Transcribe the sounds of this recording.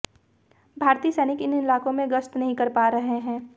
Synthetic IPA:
bʱaːɾt̪iːəsɛːnɪkɪnɪlaːkõmẽɡɐst̪nɐɦĩkɐɾpaːɾɐɦeɦɛ̃ː

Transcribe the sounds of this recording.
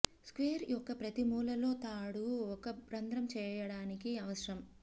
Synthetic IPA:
skʋeːɾjɔkːɐpɾɐt̪imuːlɐlo̞ːt̪aːɽuɔkɐbɾɐnd̪ɾɐmt͡ʃɛːjɐɽaːnikiɐʋɐʃɾɐm

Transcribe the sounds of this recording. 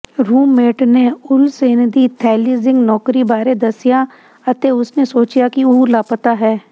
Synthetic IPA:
ɾuːmːeːʈneʊlseːnd̪it̪ʰɛːliːzɪ̃ŋɡnɔːkɾibaːɾed̪ɐsɪja | ɐt̪eʊsnesoːt͡ʃjakiuːɾlaːpət̪aɦɛː

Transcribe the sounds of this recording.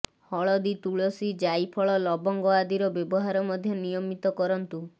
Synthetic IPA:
hɔɭɔd̪it̪uɭɔsid͡ʒajpʰɔɭɔlɔbɔŋɡɔad̪iɾɔbjɔbɔɦaɾɔmɔd̪ʱjɔnijɔmit̪ɔkɔɾɔnt̪u

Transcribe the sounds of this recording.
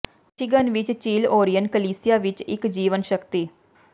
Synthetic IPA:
ʃɪɡənʋɪt͡ʃt͡ʃiːloːɾijənɖkəliːsɪjaːʋɪt͡ʃɪ̰kd͡ʒiːʋənʃəkt̪iː

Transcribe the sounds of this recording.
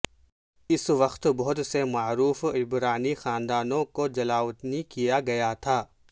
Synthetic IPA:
ɪsʋɐxt̪bɐɦʊt̪semaːɾuːfɪbɾaːnixaːnd̪aːnõkod͡ʒɐlaːʋət̪nikijaɡɐjat̪ʰaː

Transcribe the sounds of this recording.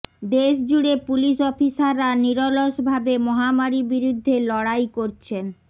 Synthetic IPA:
d̪eʃd͡ʑuɽepuliʃɔfisaɾːaniɾoloʃbʱabemɔɦamaɾibiɾud̪ʱːelɔɽajkoɾt͡ɕʰen

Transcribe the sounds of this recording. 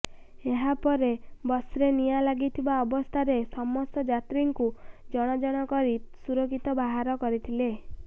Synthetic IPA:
eɦapɔɾebɔsɾenijalaɡit̪ʰibaɔbɔst̪ʰaɾesɔmɔst̪ɔd͡ʒat̪ɾiŋkud͡ʒɔɽ̃ɔd͡ʒɔɽ̃ɔkɔɾisuɾɔkʰit̪ɔbaɦaɾɔkɔɾit̪ʰile

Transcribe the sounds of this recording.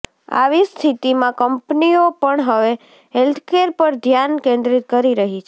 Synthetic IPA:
a̰ʋist̪ʰit̪imãkəmpniopəɳɦəʋe | ɦelt̪ʰkeɾpəɾd̪ʱjankẽnd̪ɾit̪kəɾiɾəɦit͡ʃʰe

